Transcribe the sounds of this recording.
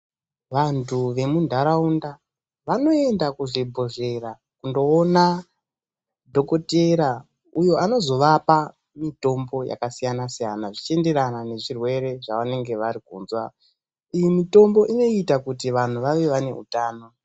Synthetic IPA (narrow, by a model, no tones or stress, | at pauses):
ʋantʰuʋe̞mundʱaɾaunda | ʋano̞e̞ndakuʐibʱo̞ʐe̞ɾa | kundo̞ːna | dʱo̞ko̞teɾa | ujo̞ano̞zo̞ʋapa | mito̞mbo̞ja̰kasijanasijanaʐit͡ʃe̞nde̞ɾanane̞ʐirwe̞ɾe̞ʐaʋane̞ŋɡe̞ʋaɾikṵːnzwa | ijimito̞mbo̞ʔino̞itakutiʋan̤uʋaʋe̞ʋane̞̰ṵtaːno̞